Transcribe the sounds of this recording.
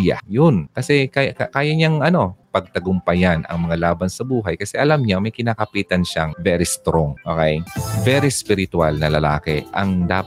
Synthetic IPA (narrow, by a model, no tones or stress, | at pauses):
ja̰jʊnkɐsɛkajkkaːjɐɲaŋɐno̞pɐɡ̚t̪ɐɡʊmpɐjanʔɐ̰ŋmɐŋalaːbɐnsɐbuːɦɐjkɐsɛʔɐlamɲamɐjkɪnaːkɐpiːt̪ɐnʃaŋvɛːɾist̪ɾoŋʔʔo̰ːkɛjvɛɾispɪɾɪt̪walnɐlɐlaːkɛ̰ʔɐ̰ŋd̪aː